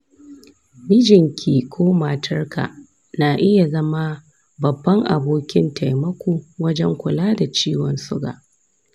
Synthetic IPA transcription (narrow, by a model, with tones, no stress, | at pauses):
mɪ˦d͡ʒɪ˨ŋkʲʰiː˨kʷʰoː˦ma˨tʰɐ˦rka̰˨ | naː˨ʔɪ˦ja˨zɐ˦ma˦ | bɐ˨bːɐ˦ŋʔa˨boː˦kʲɪ˦nta˨jmɐ˦kʷuː˨wɐ˦d͡ʒɛ˦ŋkʷʊ˨laː˦da˨t͡ʃiː˦wɔ˦nsʊ˦ɡa̰ː˨ʔ